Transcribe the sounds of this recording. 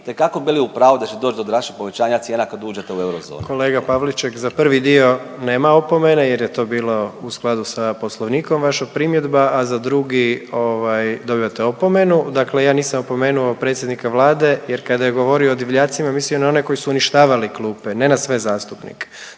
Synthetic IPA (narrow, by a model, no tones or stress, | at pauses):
t̪ekakobiliupɾaːʋod̪at͡ʃed̪oːt͡ʃd̪od̪ɾaʃipoʋet͡ʃaːɲat̪sjeːnakad̪uːd͡ʒet̪euewɾozo̰ːnkʰo̞leːɡapaʋlit͡ʃekzapr̩ʋid̪io̞ | neːmao̞po̞me̞neje̞ɾjet̪o̞ːbiːlˠo̞usklˠad̪usapo̞slˠo̞ʋniːko̞mʋaʃapɾimje̞d̪baʔazad̪ɾuɡio̞ʋajd̪o̞biot̪eo̞po̞me̞nud̪aklejaːniːsamopo̞me̞ːnuopɾe̞t̪sjed̪nikaʋlˠaːd̪e̞jeɾkad̪ajeɡo̞ʋoɾioːd̪iʋʎaːt̪simamislijonao̞ne̞ko̞jisuuniʃt̪aːʋaliklˠuːpene̞nasʋe̞zaːst̪upnḭke̥